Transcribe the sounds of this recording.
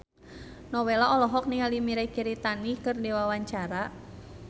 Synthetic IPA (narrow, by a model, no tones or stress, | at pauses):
nɔwɛlaɔlɔɦɔk̚niŋalimiɾakɛɾit̪anikɨrdiwawaɲt͡ʃaɾa